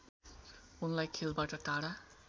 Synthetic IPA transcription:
unlajkʰelbaʈʌtaɽa

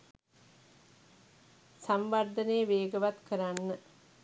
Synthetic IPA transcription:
samʋaɾd̪əneəʋeːɡəʋat̪kəɾanːə

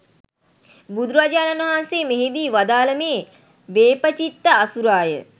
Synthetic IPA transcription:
bud̪ɾuʋad͡ʒaːnanəɦanseːmeɦed̪iːʋad̪aːləmeː | ʋeːpət͡ʃit̪ːəasuɾaːjə̰

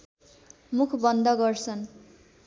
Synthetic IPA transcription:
mukʰbʌnd̪ʱʌɡʌrt͡sʰʌn

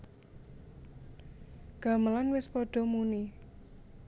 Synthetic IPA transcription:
ɡ̥a̤məlanwɪspɔɖ̥ɔ̤muni

